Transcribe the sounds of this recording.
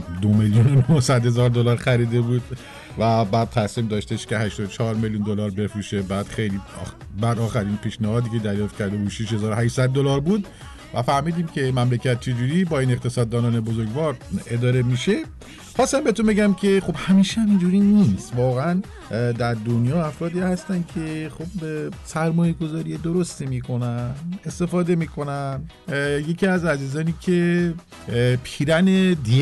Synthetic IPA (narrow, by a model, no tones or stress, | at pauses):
d̪omeljunonohsæd̪he̞zɒːɾd̪olɒːɾxæɾiːd̪e̞buːd̪̚ | væbæːd̪̚t̪ʰæsiːmd̪ɒːʃt̪e̞ʃcʲe̞ɦæʃt̪ɔd̪ot͡ʃʰɒɾmeljund̪o̞lɒːɾbe̞fɾuʃebæːd̪̥xe̞jliː | bæd̪ɒːxæɾinpʰiːʃnæhɒːd̪iːkcʰe̞d̪æɾjɒːft̪̚cʰæɾd̪e̞buːd̪ʃiʃhe̞zɒːɾohæʃsæd̪̚ːolɒːɾbuːd̪ | væ̰fæɾmiːd̪iːmcʰe̞mæmlecʰæt̪̚t͡ʃʰe̞d͡ʒuːɾiːbɒːiːne̞qt̪ʰe̞sɒːd̪ːɒːnɒːne̞bo̞zo̞ɾɡvɒːɾe̞d̪ɒːɾe̞miːʃe̞ | χɒːst̪æmbet̪unmbeɟæmcʰe̞χo̞bhæmiːʃehæmind͡ʒuːɾinist̪vɒːɣeæn | d̪æɾd̪onjɒːæfɾɒːd̪iːhæst̪æn̥cʰe̞xobsæɾmɒːjeɡo̞zɒːɾijed̪o̞ɾo̞st̪imiːkʰo̞næne̞st̪e̞fɒːd̪e̞miːkʰo̞næn | je̞cʰiæzæziːzɒːniːcʰe | pʰiːɾæne̞d̪i